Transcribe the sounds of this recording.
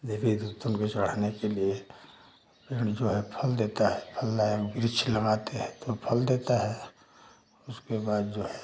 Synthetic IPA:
d̪eːbid̪ut̪ʊnket͡ʃɐɽ̤anekelie | pɪɽ̃d͡ʒoːɦɛpʰəld̪eːt̪aɦɛpʰɐlːaekbɪɾɪt͡ʃʰlɐɡaːt̪eɦɛ̃t̪opʰəld̪eːt̪aɦɛ | ʊskebaːd̪d͡ʒoːɦɛ

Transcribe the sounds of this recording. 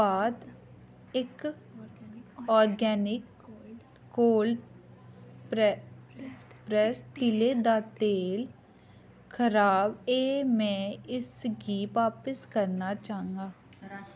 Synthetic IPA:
aːd̪ | ɪk | ɔːɾɡɛːnɪkː | oːl | pɾɛsʈɪleːd̪aːt̪eːl | kʰəɾaːbeːmɛ̃ːɪsɡiːpʋaːpəskəɾnaːt͡ʃaːə̃ŋɡaː

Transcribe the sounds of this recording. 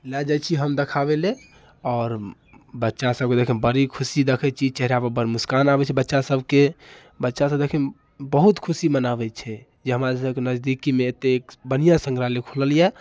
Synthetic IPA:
lɛd͡ʒat͡ʃʰiɦəmd̪ekʰaβele | ɔːɾ | bətːʃasəb̚ked̪ekʰɛnbəɾikʰusid̪ekʰɛt͡ʃʰit͡ʃɛɦɾabəbəɾmuskanabɛt͡ʃʰɛbətːʃasəbʱke | bətːʃasəd̪ekʰɛn | bəɦut̪kʰusimənabɛt͡ʃʰɛ | d͡ʒeɦəmaɾsəbkenəzd̪ikimẽːt̪ːeːkbənijasə̃ŋɡɾalekʰuləljɛ

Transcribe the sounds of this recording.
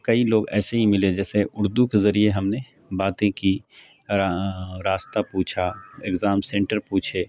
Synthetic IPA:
kɐiloːɡɛ̰ːseɦimɪled͡ʒɛːseʔʊɾd̪ukezɐɾieɦɐmne | baːt̪ẽki | ɾaːst̪apuːt͡ʃʰaeɡzaːmsẽɳʈəɾpuːt͡ʃʰeː

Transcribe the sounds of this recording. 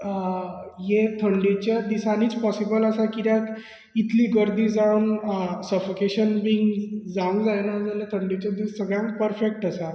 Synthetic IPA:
jet̪ʰəɳɖit͡ɕad̪isaniːt͡spɔsibələsakid̪jãk | it̪ʰliːɡəɾd̪iːd͡zãwnsəfokeɕənbiːŋɡd͡zãŋɡd͡zajnad͡zalet̪ʰəɳɖit͡ɕad̪issːəɡɭjãŋk̚pəɾfek̚ʈəsa

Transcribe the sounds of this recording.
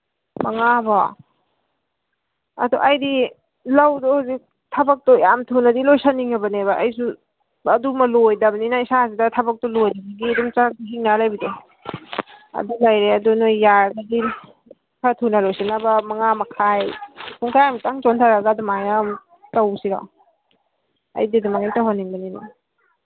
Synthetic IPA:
mɐŋabɔ | ɐ̰duʔajdi | lawdɔhzi | tʰɐbɐk̚tɔjamtʰunadilojsaniŋabɐnebaʔajsu | ɐdumalojdɐbninaisazidatʰɐbɐk̚tɔlojdisiɡidumt͡ʃak̚ɦiŋnalajbide | ɐ̰dulajɾeɐdunojːaɾɡadi | kʰatʰunalojsanabɐmɐŋamakʰajkʰuŋtʰajamtaŋt͡ʃɔntʰaɾaɡadumajam | tawsiɾa̰ | ɐ̰jdidimaŋamtawhanːiŋbɐnina̰

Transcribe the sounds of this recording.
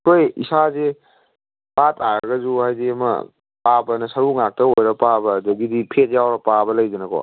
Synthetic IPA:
kʰojḭsaze | patʰaɾɐɡɐzuhajdiɐmɐ̰ | pabɐnɐsɐɾuŋak̚tɐojɾɐpabɐːdɐɡidipʰet̚jawɾɐpabɐlɐjdenɐkʰo̰

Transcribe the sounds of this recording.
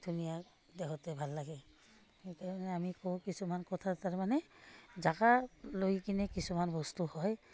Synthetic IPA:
dʱunija | dɛɦɔtɛbʱalːaɡɛ | etaɹmanɛamikɔkisumankɔtʰataɹmanɛzaɡaloikinɛkisumanbɔstuhɔj

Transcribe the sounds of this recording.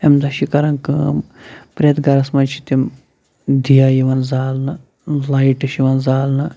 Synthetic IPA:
emd̪ɐʃikɐɾɐnkɨmpɾʲɐt̪ɡɐɾɐsmɐnt͡ʃʰi̥t̪im | d̪ʱijajiʋɐnzaːlnɐ | laiʈɐʃiʋɐnzaːlnɐ

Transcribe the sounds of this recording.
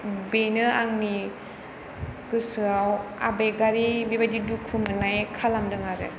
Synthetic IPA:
benɯaŋni | ɡ̥ɯsɯawa̰bejɡaɾibibadidukʰumɯnajkʰalamdɯŋaɾɯ̰

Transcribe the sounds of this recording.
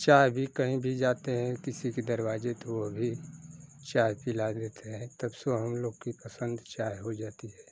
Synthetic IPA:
t͡ʃaːbʱikɐɦĩbʱid͡ʒaːt̪eɦɛ̃kɪsiked̪ɐɾwaːd͡ʒet̪oʋobʱi | t͡ʃaːɦpilad̪eːt̪eɦɛ̃t̪ɐbsoɦɐmloːɡkipɐsə̃nd̪t͡ʃaːɦɦod͡ʒaːt̪iɦɛː

